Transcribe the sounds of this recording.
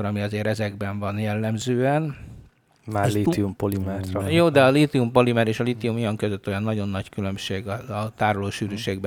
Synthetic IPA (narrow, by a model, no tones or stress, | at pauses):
oɾɒmiɒzeːɾɛzɛɡbɛɱvɒnjɛlːɛmzøːɛn | maːliiumpolimɛɾɒjoːd̪ɛɒlit̪iumpo̞limɛɾeːʃɒlit̪iumojɒŋkø̞zøt̪ːo̞jɒnːɒɟo̞nːɒckylø̞mʃeːɡɒɒt̪aːɾoloːʃyːɾyʃeːɡb